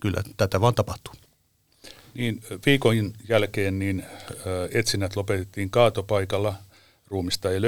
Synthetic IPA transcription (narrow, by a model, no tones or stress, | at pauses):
kylːæ̰t̪æt̪æʋɑːnt̪ɑpɑht̪u̥ | niːnʋiːkoinjælkeːnniːnː | et̪sinːæt̪lopet̪et̪ːiːŋkɑːt̪opɑikɑlːɑ | ruːmist̪ɑjel